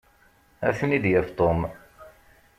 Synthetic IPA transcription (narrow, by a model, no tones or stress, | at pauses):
æ̰θnid̪jæft̪ˤom